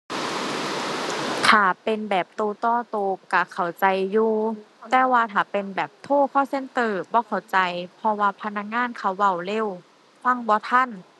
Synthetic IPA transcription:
t̪ʰaː˨˩pe˧nbɛː˨˩p̚t̪oː˧t̪ɔː˧˩t̪oː˧ka˧˩kʰa˨˩wt͡ɕa˧jːuː˧t̪ɛː˧˦waː˧t̪ʰaː˨˩pe˨nbɛː˨˩p̚t̪ʰoː˧˥˩kʰɔː˧˥˩wse˧˥˨nt̪ɤː˧˩bɔː˧˦kʰa˨˩wt͡ɕa˧jpʰɔ˧waː˧pʰa˧na˧˥k̚ŋaː˧˥˨nkʰa˧˩wːa˧˩wle˧˨w | kʰwa˧˥˨ŋbɔː˧˦t̪ʰa˧˥˨n

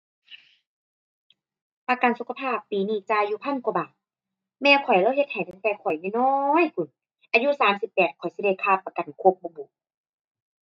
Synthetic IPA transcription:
pa˧ka˨nsu˧kʰa˧pʰaː˥˩pːiː˨niː˧˩t͡ɕaː˧jːuː˧pʰa˧˥˨nku˧˨baː˨˩ | mɛː˧˨wkʰɔ˨˩jlaː˧˨he˧t̪̚ha˨˩jt̪a˧˩ŋt̪ɛː˧kʰɔ˨˩jmuː˧˨nɔː˧˨jkʰu˨˧˩n | ʔaː˧ju˧˥˨saː˨˦msi˧˦pːɛː˨˩t̪̚kʰɔ˨˩jsi˧da˧˩jkʰaː˧˩˨pːa˧ka˨˩nkʰo˧˦p̚bɔː˧buː˨˩˦k̚

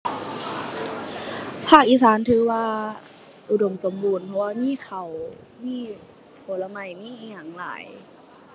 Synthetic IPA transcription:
pʰaː˧˥˩k̚ʔiː˧˥˨saː˨˦nt̪ʰɯː˨˧˦waː˧ | ʔu˨˧˩do˨˩mso˨˦mbuː˧˩˨npʰɔ˧waː˧miː˧˥˨kʰa˨˩w | miː˧˨ | pʰo˨˩˦la˧ma˧˩jmiː˧˥˨ʔiː˧˩ɲa˨˩ŋla̰ː˨˦j

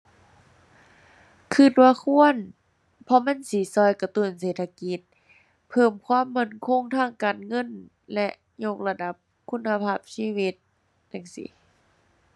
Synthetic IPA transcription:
kʰɯ˧˩t̪̚waː˧˨kʰu˧˥˨ən | pʰɔ˧ma˧˥˨nsiː˨˦sɔː˧˨jka˧t̪u˧˩˨nseː˨˩t̪ʰa˧ki˧˦t̪̚ | pʰɤː˧˩mkʰwaː˧˥˨mːa˧˩˨nkʰo˧˥˨ŋt̪ʰaː˧˥˨ŋkaː˨nŋɤ˧˥˨n | lɛ˧ʔ | ɲo˧k̚la˧da˧˦p̚ | kʰu˧˥˨nːa˧pʰaː˧˨p̚siː˧˥˨wi˧t̪̚ | ja˧˩ŋsḭ˨˦

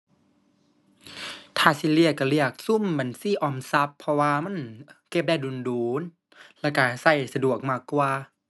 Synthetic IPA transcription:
t̪ʰaː˧˩si˧˩li˧˩əka˧˩li˧˥˩ək̚su˧˥˨mba˨˩˨nsi˧˨ʔɔː˧˩msa˧˦pʰːɔ˧waː˧ma˧˥˨nke˧˩p̚daː˧˩jduː˨˩˨nduː˨˦n | lɛː˧˩ka˧˩sa˧˥˩jsa˧du˨˩ək̚maː˧˩kːwaː˧

